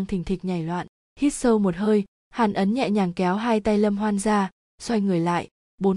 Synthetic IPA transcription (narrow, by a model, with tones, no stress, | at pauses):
ŋt̪ʰi˨˩ŋ̟t̪ʰï˨˩k̟̚ɲa˨˧˩jlwa̰ː˧˨n | hi˦˥t̚sə˧wmo˨˩t̚həː˧j | haː˨˩nʔə˨˦nɲɛ̰˧˨ɲaː˨˩ŋkɛ˨˦wɦaː˧jt̪a˧jlə˧mɦwaː˧nzaː˧ | swa˧jŋɨ˨˩əjla̰ː˧˨j | ɓo˨˦n